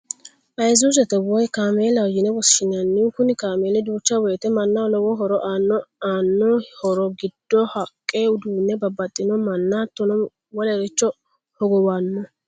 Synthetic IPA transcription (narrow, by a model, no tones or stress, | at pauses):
ʔɐjzuzɛt̪ːɛwɔjkaːmeːlɐjɪnɛwɔsʃɪnɐnːɪkʊnɪkaːmeːlɛd̪uːt͡ʃːɐwɔjt̪ɛmɐnːɐlɔwɔɦɔɾɔʔaːnːɔaːnːɔhɔɾɔɡɪd̪̥ːɔhɐkʼːeʊd̪uːnːɛbɐbːɐt̪ʼːɪnɔmɐnːat̪ːɔnɔ | wɔlɛɾɪt͡ʃːɔ | hɔɡɔwaːnːɔ